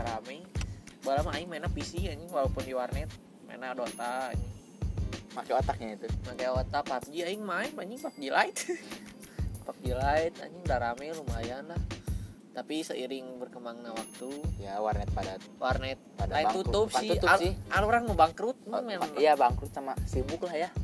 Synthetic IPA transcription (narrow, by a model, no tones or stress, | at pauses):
daɾamɛbalamaaɲimaenapisiaɲiwalawpʊndiwarnɛt̪̚ | ma̰ḛnadot̪a̰ːɲi | makɛat̪ak̚ɲait̪umakajaat̪apat̪̚d͡ʒiaiŋmaimaɲiŋpak̚d͡ʒilʔait̪̚ | pak̚d͡ʒilait̪̚a̰ɲidaɾamɛlumajanlah | t̪apisəʔiɾɪŋbərkəmaŋnawak̚t̪ujawarnɛt̪̚pada | warnɛt̪̚padaat̪ut̪up̚sɪalsɪalɾaŋməbaŋkɾʊt̪̚mmalajabaŋkɾʊt̪samasibʊklahja